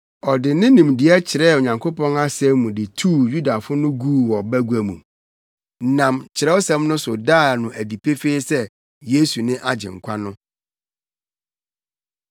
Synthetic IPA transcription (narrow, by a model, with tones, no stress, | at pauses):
ɔ˨dɪ˨nɪ̃˦nĩ˨mdɪ˨ɛ˦t͡ɕʰɪ˨ɾɛ˦˨o˨ɲã˨ŋkʰo˦pɔ̃˦na˦sɛ˦mũ˨dɪ˨tʰu˦˨ju˦da˨fʊ˦nʊ̃˦ɡuː˦wɔ˨bæ˦ɡu˨˦æ˨mṵ̃˨ | nã˨mt͡ɕʰɪ˨ɾɛ˦o˦sɛ̃˦mnʊ̃˦sʊ˨daː˦˨nʊ̃˨æ˨di˨pʰe˦feː˦sɛ˦ | je˦su˨nɪ̃˦ʔa˦d͡ʑɪ̰˨ŋ̩˨kʷʰa˦nʊ̃˦